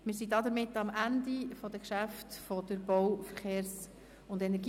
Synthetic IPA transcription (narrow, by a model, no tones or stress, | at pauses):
mɪɾsidɑd̪əɾmɪtːɑmʔændifɔdəkʃæftfɔd̥əɾbɔwfəɾχeːɾs | ʊndɛnɛɾɡ̥i